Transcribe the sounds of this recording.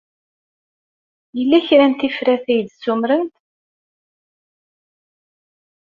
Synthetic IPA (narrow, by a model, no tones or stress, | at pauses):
jəlːæçɾænt̪ifɾæθæjd̪sumɾənt̪